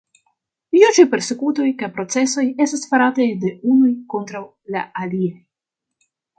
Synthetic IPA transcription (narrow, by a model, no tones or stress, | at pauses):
iut͡ʃipe̞ɾse̞kuto̞jkajpɾo̞t͡se̞so̞je̞stasfaɾatajde̞unujko̞ntɾaw | la̰aliaj